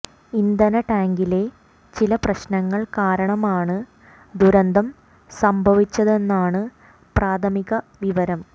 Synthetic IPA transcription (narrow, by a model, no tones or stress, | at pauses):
ind̪ɐnɐʈaːŋɡile̞ | t͡ɕilɐprɐɕnɐŋːɐɭkaːɾɐɳɐmaːɳɨ | d̪uɾɐnd̪ʱɐm | sɐmbʱɐʋit͡ɕːɐðe̞nːaːɳɨ | praːt̪ʰɐmiɣɐʋiʋɐɾɐm